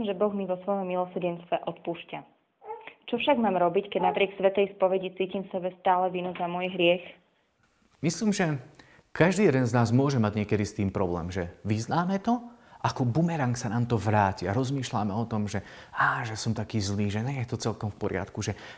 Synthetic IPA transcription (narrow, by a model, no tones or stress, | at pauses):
mʒɛbɔɣmiʋɔsʋɔjɔmːilɔsɾɟɛnst̪ʋɛʔɔt̪puːʃca | t͡ʃɔfʃaɡmaːmɾɔbickɛɟnapɾɪɛksʋɛt̪ɛjspɔʋɛɟit͡siːcimfsɛbɛst̪aːlɛʋinuzamɔjɦɾɪɛx | misliːmʒɛ | kaʒd̪iːjɛd̪ɛnznaːzmʊɔʒɛmaɟɲɪɛkɛd̪ist̪iːmpɾɔblɛ̰ːmʒɛʋiznaːmɛt̪ɔʔakɔbumɛɾaŋksanaːmt̪ɔʋɾaːciaɾɔzmiːʃla̰mɛɔt̪ɔmʒɛ | aːʒɛsɔmt̪akiːzliːʒɛɲɛjɛt̪ɔt͡sɛlkɔmfpɔɾɪa̰t̪kuʒɛ